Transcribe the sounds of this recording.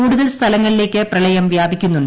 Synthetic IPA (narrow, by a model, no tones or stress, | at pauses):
uːɽuðɐlst̪ʰɐlɐŋːɐɭile̞ːkʲːɨprɐlɐjɐmʋjaːbikʲːunːuɳɖ